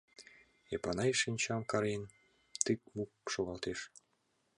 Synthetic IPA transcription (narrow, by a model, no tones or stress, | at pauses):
epɑnɑjʃinʲt͡ɕɑmkɑɾen | t̪ik̚mukʃoɣɑlt̪eʃ